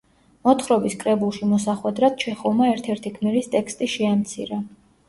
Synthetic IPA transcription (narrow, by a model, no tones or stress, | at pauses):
mɔt̪ʰχɾɔbiskʼɾɛbulˠʃimɔs̬aχwɛd̪ɾad̪̥̚t͡ʃʰɛχɔlˠmaɛɾt̪ʰɛɾt̪ʰikʰmiɾist̪ʼɛkʰst̪ʼiʃɛamt̪sʰḭɾa